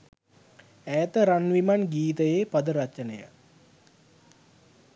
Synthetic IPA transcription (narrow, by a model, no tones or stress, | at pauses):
æːt̪əɾanʋimanɡiːt̪əjeːpad̪əɾat͡ʃənəjə̰